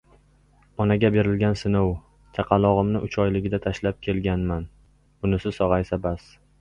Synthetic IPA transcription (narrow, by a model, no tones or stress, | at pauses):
ɒnaɡʲabe̞ɾɪlɡʲansɪnow | t͡ʃʰaqʰɑlˠɒʁɨmnɪʔʊt͡ʃʰɒjlɪɡʲɪd̪at̪ʰaʃlap̚kʲʰe̞lɡʲanman | ʊnɪsɪsɒʁɑjsabas